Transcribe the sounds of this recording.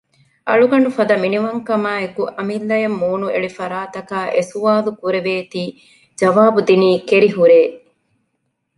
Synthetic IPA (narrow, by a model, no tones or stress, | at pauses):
ʔɐ̰ɭuɡɐɳufɐd̪ɐminiʋɐŋkɐmaːekuʔɐmilːɐjɐmːuːnuḛɭifɐɾaːt̪ɐkaːʔesuʋaːlukuɾeʋeːt̪iː | d͡ʒɐʋaːbud̪iniːkeɾiɦuɾeː